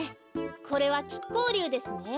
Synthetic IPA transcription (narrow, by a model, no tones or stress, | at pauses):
kʰo̞ɾe̞βakʲi̥kːo̞ːɾʲɯːd̪e̞sɨne̞